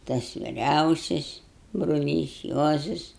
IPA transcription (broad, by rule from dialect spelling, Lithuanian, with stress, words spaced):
tɐs ʋʲɪˈrʲɛʊsʲɪs brʊˈlʲiːs ˈjuɔzɐs